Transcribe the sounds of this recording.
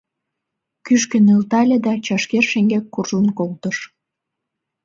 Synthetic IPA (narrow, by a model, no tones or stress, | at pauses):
kyʃkə̆nɯlt̪ɑlʲed̪ɑt͡ɕɑʃkerʃeŋɡekːurʒənkolt̪əʃ